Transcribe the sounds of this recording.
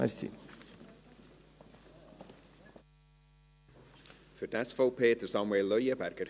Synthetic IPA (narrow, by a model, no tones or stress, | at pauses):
ɛ̰ɾsḭ | fəɾdɛsfowpʰeːt̪əɾsɑmweːlːœjəbæɾɡ̥əɾ